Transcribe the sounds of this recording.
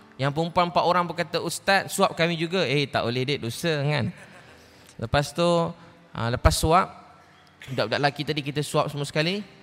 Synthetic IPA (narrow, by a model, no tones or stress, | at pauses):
jaŋpəumpuanmpaʔ̪oɾaŋbəkat̪əust̪at̪̚suap̚kamĩd͡ʒuɡaejt̪a̰ʔolehdeʔ̚dosəŋan | ləpast̪u | ʔə̰ləpasːuap̚ | daʔ̚daʔlakit̪adik̬it̪əsuap̚səmuəsə̥kali